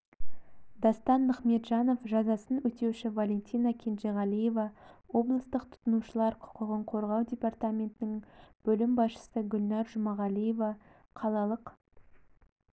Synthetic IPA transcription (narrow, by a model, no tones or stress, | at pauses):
d̪ɑst̪ɑnməχme̞t̪ʒɑno̞fʒɑzɑsənwɵt̪e̞wʃɪvalʲe̞nt̪ʲijnakʲʰe̞nʒeʁɑlʲˠijevɑwo̞blˠəst̪əqt̪ʰʊ̥t̪ənuʃəlˠɑɾqʰʊ̥qəʁəɴqʰo̞ɾʁɑwd̪ʲe̞part̪amʲe̞nt̪ɪnɪŋb̥ɵlɪmbɑsʃə̥səɡʲʊlnɑɾʒʊmɑʁɑlˠije̞vɑ | qʰɑlˠɑlˠəq